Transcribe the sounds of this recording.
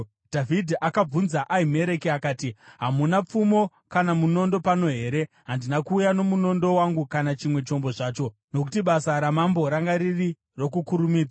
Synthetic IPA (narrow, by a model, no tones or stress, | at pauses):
d̥ʱavidʱiʔakab͡vunzaʔaime̞ɾe̞kiakaːtiɦamunap͡fumo̞ | kanamuno̞ndo̞pano̞ɦe̞ːɾe̞ | ɦandinakuːjano̞muno̞ndo̞waŋɡukanat͡ʃimwe̞t͡ʃo̞mbo̞ʐaːt͡ʃo̞ | no̞k̬utiɓasaɾamambo̞ɾaŋɡaɾiri | ro̞kukuɾumiːd͡za